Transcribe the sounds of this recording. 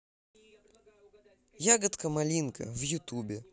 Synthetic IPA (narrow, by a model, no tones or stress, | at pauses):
jaɡət̪kəmɐlʲinkʰə̰vjʊt̪ubʲɪ